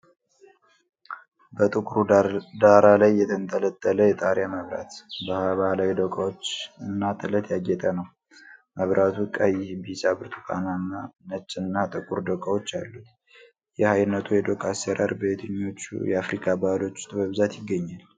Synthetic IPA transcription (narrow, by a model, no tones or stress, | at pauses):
bət̪ʼɨkʼuɾud̪aɾalajːɛt̪ʰənt̪ʰələt̪ʼːələjɛt̪ʼaɾjaməβɾa̰t̪bahaβalawid̪əkʼawo̞t͡ʃːɨnːat̪ʰɨlət̪jaɡɛt̪ʼənəw | məβɾʔat̪ʰukʼəjɪbisabɨɾt̪ʰu̥kʰa̰nanət͡ʃʼːɨnːat̪ʼɨkʼuɾd̪əkʼawot͡ʃːalːut̪ | jɛhajnːət̪ʰujɛd̪okʼaseɾa̰ɾbəet̪ʰəɲːo̞t͡ʃːṵjɛafɾikʰabahlo̞t͡ʃːu̥t̪ʼɨβəβɨzat̪jɪɡːəɲːal